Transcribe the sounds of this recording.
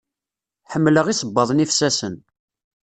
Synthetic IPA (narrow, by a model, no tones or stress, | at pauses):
ħəmːləʁisˤəbːɑðˤnifsæsən